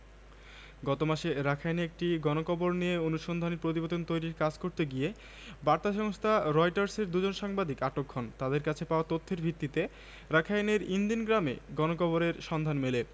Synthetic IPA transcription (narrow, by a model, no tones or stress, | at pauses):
ɡɔt̪omaʃeɾakʰajneek̚ʈiɡɔnokɔboɾnijeonuʃond̪ʱaneɾpɾot̪ibot̪ont̪ojɾiɾkad͡ʑkoɾt̪eɡije | baɾt̪aʃɔŋost̪ʰaɾɔjʈaɾseɾd̪ud͡ʑonʃaŋbad̪ikaʈokʰːont̪ad̪eɾkat͡ɕʰepaoat̪ot̪ʰːeɾbʱit̪ːit̪e | ɾakʰajneɾind̪inɡɾamḛɡɔnokɔboɾeɾʃɔnd̪ʱanmele